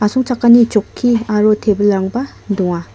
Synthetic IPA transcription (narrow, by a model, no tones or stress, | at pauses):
asɔŋt͡ʃakːanit͡ʃokʰːiaɾot̪ʰebəlaŋbɐ | d̪uŋa